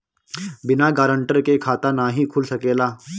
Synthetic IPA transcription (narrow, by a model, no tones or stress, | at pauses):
bɪnaɡaːɾəɳʈəɾkekʰaːt̪anaɦikʰuːlsɐkeːlaː